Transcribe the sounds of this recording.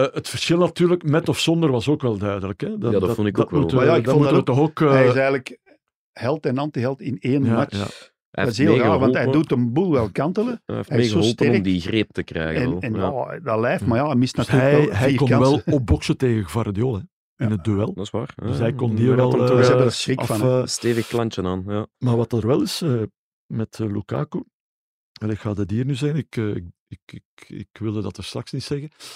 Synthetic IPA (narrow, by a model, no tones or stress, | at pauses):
ətfərsxɪlˠnɑtyːɾləkmɛtɔfsɔnd̪ərʋɑsoːkʋɛlˠdœːdələkɛdfɔnɪkɑmultəmajaɪkdɑɔmutəʋətɔxoːkːɛɪsɛːɣələk | hɛlˠtɛnɑntiɦɛlˠtɪneːnjmat͡ʃa̰ | ɛ̰dɪseːlˠɣɑlxʋɑntɦɛjdutənbulˠʋɛlˠkɑntələfɛesəoolˠtəɛrmdiɣrep̚təkrɛ̰ːɣəɛnɛnjadɑlɛːjftmajɑmɪstnɑtːɛɦɛjkɔnʋɛlˠɔp̚bɔksəteːɣəɣəvaɾdjoːlˠɦɛ | ɪnət̚døɛlˠdɑsʋaːrəsɦɛjkɔndiːɾʋɛlˠzɛəəsrɪkɑfɑnsteːvəxklɑnt͡ʃənaːnjamaːrʋɑtərʋɛlˠɪsə | mɛtəluka̰ːkoː | ɑleːkxaːdədiːrnyzɛjnɪkəɪ | ɪkɪkɪ̰kʋɪlˠdədɑtərst̪rɑksnitsɛɣə